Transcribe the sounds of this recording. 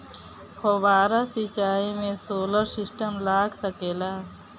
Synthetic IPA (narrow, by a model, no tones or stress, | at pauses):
hoʋaːɾasɪt͡ʃaːimẽsoːləɾsɪsʈəmlaːɡsəkeːlaː